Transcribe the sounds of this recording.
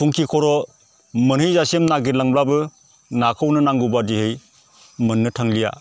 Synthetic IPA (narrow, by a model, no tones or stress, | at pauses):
pʰuŋkʰikʰɔɾɔ | mɯnhɯjzasemnaɡiɾlaŋblabɯ | nakʰɯwnɯnaŋɡubadihɯj | mɯnːɯtʰaŋlija̰